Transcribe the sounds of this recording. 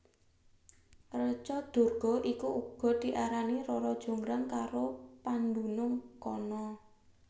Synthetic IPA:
rət͡ʃɔd̪̥o̤rɡ̥ɔ̤ʔikuʔuɡ̥ɔ̤d̪̥i̤ʔaɾaniɾɔɾɔd̥ʒ̥o̤ŋɡɾaŋkaɾopand̪unʊŋkɔnɔ

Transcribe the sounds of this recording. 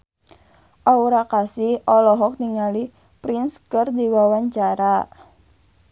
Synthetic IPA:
ʔauɾakasɪhɔlɔɦɔk̚niŋali | pɾinskərdiwawaɲt͡ʃaɾa

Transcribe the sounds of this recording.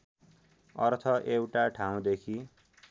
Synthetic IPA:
ʌ̰rt̪ʰʌʔewʈaʈʰãw̃d̪ekʰi

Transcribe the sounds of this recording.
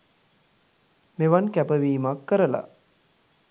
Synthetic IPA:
meʋankæpəʋiːmakːəɾəla̰

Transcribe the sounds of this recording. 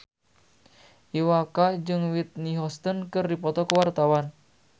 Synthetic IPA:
ʔiwakad͡ʒɨŋwit̪̚niɦɔst̪ɔnkɨrdipɔt̪ɔkəwart̪awan

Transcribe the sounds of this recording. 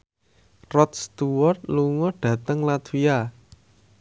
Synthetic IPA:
rɔt̪̚st̪uwɔrt̪̚luŋɔɖ̥ä̤t̪əŋlad̪̥uja

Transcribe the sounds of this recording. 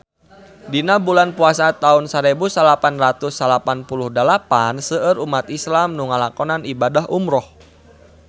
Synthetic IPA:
dinabulanpuasat̪aunsaɾɛbusalapanrat̪usːalapanpuluhdalapansəəɾumat̪islamnuŋalakɔnanibadaɦʔumɾɔh

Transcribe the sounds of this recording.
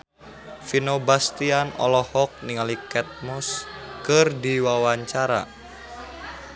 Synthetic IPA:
finobast̪ianɔ̰lɔhɔk̚niŋalikɛt̪̚mɔskɨrdiwawaɲt͡ʃaɾa̰

